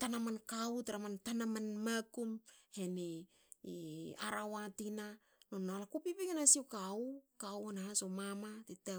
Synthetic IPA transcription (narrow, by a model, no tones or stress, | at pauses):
tanamankautaɾamantanamanmakumhene | a̰ɾawatina | nonːalakupipikenasiwkaukawanahasomamatita